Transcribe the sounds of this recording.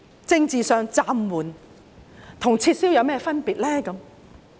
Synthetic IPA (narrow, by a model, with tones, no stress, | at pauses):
t͡sɪ˧ŋt͡siː˨sœː˧ŋt͡saː˧mwuː˨˩n | t̪ʰʊ˨˩ŋt͡sʰiː˧t̚siː˥wjɐ˨˧wmɛː˥fɐ˥npiː˨t̚lɛː˥kɐ˨˧˦m